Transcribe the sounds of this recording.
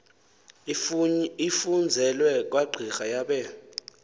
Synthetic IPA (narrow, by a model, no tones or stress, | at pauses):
ifund͡zʱɛlwɛk̬ʼwaɡ͡ǀʱixajaɓɛ